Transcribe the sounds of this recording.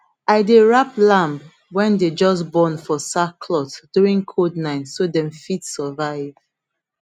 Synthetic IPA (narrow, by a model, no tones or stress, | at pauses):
aɪdeɹaplãmb | wɛ̃nded͡ʒɔs̬bɔ̃nfɔsakʰlɔtdjuɹĩŋkʰodnãɪ̃nsodɛ̃mfitsəvaɪv̥